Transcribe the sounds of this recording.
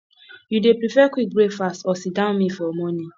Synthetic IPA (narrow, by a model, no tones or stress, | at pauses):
judepɹifɛkwik̚bɹefastɔsidãʊ̃nmifɔmɔnĩ